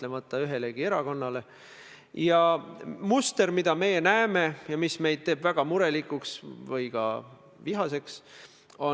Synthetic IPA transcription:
le̞mɑt̪ːˑɑyɦe̞leɡ̥ie̞ɾɑko̞nːɑle̞ | jɑmust̪e̞ɾmid̪̥ɑme̞je̞næeme̞jɑmisme̞jd̪̚t̪e̞ːbvæɡ̥ɑmuɾe̞likˑuksvɤjkɑ̰ | viɦɑse̞ks | o̞

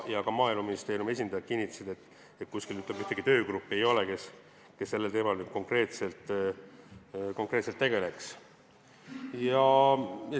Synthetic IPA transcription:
jɑkɑmɑːilmɑminist̪eːɾijume̞s̬ʲind̪̥ɑjɑt̪̚kinʲːit̪ːˑɑ̥sid̪̥et̪ː | et̪̚kuskilyt̪ːˑle̥yht̪eɡ̥it̪ø̞ːkɾupːˑe̞jo̞leke̞s | ke̞sːe̞lːelt̪e̞ːmɑlnyd̪̥̚ko̞ŋkre̞ːt̪se̞lt̪ˑ | ko̞ŋkˑre̞ːt̪selt̪ːe̞ɡe̞le̞ks | jɑjɑ

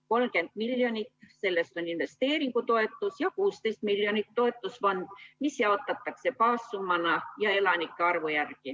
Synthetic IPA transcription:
ko̞lmke̞nd̪̥milːjo̞nʲit̪ːse̞lːe̞st̪o̞ninve̞st̪e̞ːɾiŋɡut̪o̞e̞t̪ːˑusjɑkuːst̪ejst̪milːjonit̪ːo̞e̞t̪ˑːusvond̪misjɑo̞t̪ːˑɑt̪ːˑɑkse̞pɑːsːumɑnɑjɑe̞lɑnikːeɑrvojærki

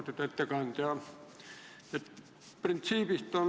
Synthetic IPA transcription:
t̪ut̪et̪ːækɑnt̪jɑ | et̪ | print̪siːpist̪on

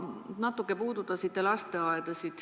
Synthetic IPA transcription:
nɑt̪ːˑukːˑe̞puːd̪ut̪ːˑɑsit̪ːelɑst̪e̞ɑed̪̥ɑsit̪

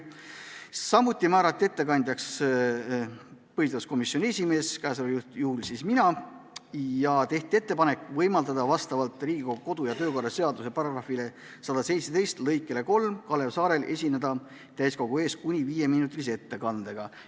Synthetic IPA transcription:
sɑmut̪ʲːˑimæːɾɑt̪ːˑie̞t̪ːe̞kɑnʲd̪jɑks | pɤhit̪ɑsko̞misːjonʲe̞sʲime̞ːskæsoljut̪juhlsisminɑ | jɑt̪e̞ht̪ʲie̞t̪ːˑe̞pɑne̞kːvɤjmɑld̪ɑd̪̥ɑvɑst̪ɑvɑlt̪ˑɾiːɡikoko̞d̪̥ujɑt̪ø̞ːko̞rːɑse̞ɑd̪use̞pɑɾɑɡrɑfile̞ | sɑd̪ɑse̞jt̪set̪e̞jst̪lɤjkːˑe̞le̞ko̞lmkɑle̞vsɑːɾe̞lʔe̞̰sʲine̞d̪̥ɑ | t̪æjsko̞ɡ̥ue̞ːs̚kunʲiviːje̞miːnut̪ːˑilis̬ee̞t̪ːe̞kɑnd̪e̞ɡ̥ɑ

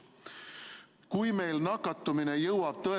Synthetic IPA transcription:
kujme̞jlnɑkːˑɑt̪ːuminejɤwɑb̥̚t̪ɤe

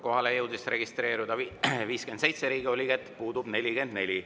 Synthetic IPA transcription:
ko̞ɦɑlejɤwd̪isre̞ɡ̥ist̪re̞ːɾud̪̥ɑviːskye̞nd̪se̞jt̪se̞ɾiːɡio̞lʲikæt̪ːˑpuːd̪ub̥ne̞lʲike̞nd̪ne̞lʲi

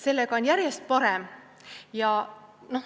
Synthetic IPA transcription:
se̞lːeɡ̥ɑo̞njæɾjest̪̚pɑɾem | jɑno̞h

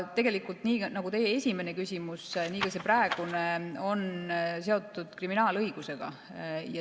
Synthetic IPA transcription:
t̪e̞ɡ̥elikˑult̪niːnɑɡut̪e̞jeesʲime̞ne̞kysʲimusniːkɑse̞præːeɡ̥uneo̞nse̞o̞t̪ːˑud̪̥kriminɑːlɤiɡ̥use̞ɡ̥ɑ̰ | jɑ

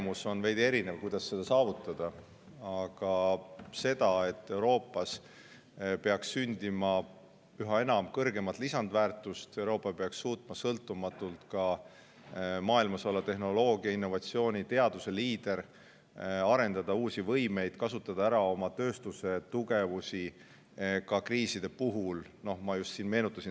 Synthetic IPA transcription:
muso̞nvejd̪̥ie̞ɾinevkujd̪̥ɑsːe̞d̪̥ɑsɑːvut̪ːˑɑd̪̥ɑ | ɑɡ̥ɑse̞d̪̥ɑe̞t̪ːe̞uwɾo̞ːpːˑɑs | pe̞ɑksynʲd̪imɑ | yɦɑe̞nɑmkɤrɡe̞mɑt̪t̪lisɑnd̪væːrt̪ːˑust̪e̞wɾo̞ːpːˑɑpeɑksːuːt̪ˑmɑsɤlt̪ːˑumɑt̪ːˑult̪kɑ | mɑːilmɑsolːɑt̪e̞ɦno̞lo̞ːɡiɑinːo̞vɑt̪sio̞ːnʲit̪e̞ɑd̪̥use̞liːd̪̥e̞ɾ | ɑɾe̞nd̪̥ɑd̪̥ɑuːsʲivɤjme̞jd̪̥kɑsut̪ːˑɑd̪̥ɑæɾɑo̞mɑt̪ø̞ːst̪use̞t̪uɡ̥e̞vusi | kɑkriːsid̪̥e̞puɦulno̞hmɑjust̪siːnme̞ːnut̪ːˑɑsin

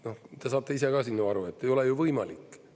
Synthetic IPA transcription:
no̞ht̪e̞sɑːt̪ːˑe̞ise̞ɡɑːsinːuɑɾue̞t̪ːe̞jo̞lejuvɤjmɑlikːˑ

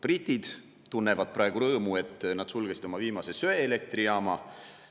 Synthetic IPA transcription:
prit̪id̪̥ | t̪unːe̞vɑd̪̥̚prɑˑe̞ɡ̥uɾɤːmue̞t̪ːˑnɑd̪̥sulɡ̥esid̪̥o̞mɑviːmɑse̞søeele̞k̚t̪riɑːmɑ

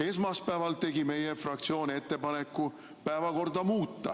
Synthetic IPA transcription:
e̞ːsmɑspæevɑlt̪e̞ɡime̞jefrɑkt̪sio̞ːnʲie̞t̪ːe̞pɑne̞kˑːu | pæevɑko̞rd̪ɑmuːt̪ːɑ̰

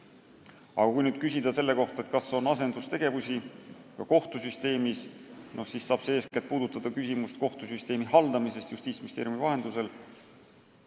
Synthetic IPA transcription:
ɑ̰ɡ̥ɑkujnyːd̪̥̚kysʲid̪ɑse̞lːe̞ko̞ht̪ɑet̪kɑsːeo̞nɑse̞nd̪ust̪e̞ɡ̥e̞vusʲi | kɑko̞ht̪usyst̪e̞ːmisno̞hsissɑːb̥seːsket̪̚puːd̪ut̪ːˑɑd̪̥ɑkysʲimust̪̚ko̞ht̪usyst̪e̞ːmihɑld̪̥ɑmise̞st̪just̪iːsmist̪eːɾjumivɑɦe̞nd̪̥use̞l

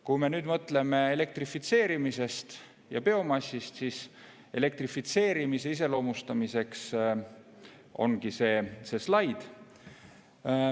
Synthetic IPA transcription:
kume̞nyːd̪mɤt̪le̞me̞ele̞k̚t̪rifit̪se̞ːɾimise̞st̪ | jɑpe̞o̞mɑsʲːist̪sis | e̞le̞k̚t̪rifit̪se̞ːɾimise̞is̬e̞lo̞ːmust̪ɑmise̞ks | o̞̰nɡise̞ːse̞slɑjd̪̥

